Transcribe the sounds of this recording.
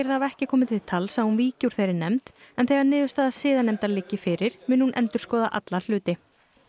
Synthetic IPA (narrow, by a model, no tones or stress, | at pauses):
ɾθavɛhcɪkʰɔːmɪt̪ʰɪ̥t̪ʰalsɛmhunviːcuɾ̥θejɾɪɾnɛmt̪ɛnθɛɣaɾnɪːðʏst̪aðasɪːðanɛmt̪alɪcːɪfɪɾɪɾ̥mʏːnhunʔɛ̰nt̪ʏɾ̥skɔːðaʔat̪lal̥ʏːt̪ɪ